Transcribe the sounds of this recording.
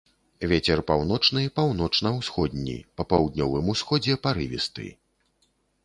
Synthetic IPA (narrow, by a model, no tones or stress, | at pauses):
vʲet͡sʲɛrpawnɔt͡ʂnɨpawn̪ɔt͡ʂnɐwsxɔd̪ʲnʲḭpɐpawd̪ʲnʲɔvɨmusxɔd͡zʲɛpaɾɨvʲḭst̪ɨ̰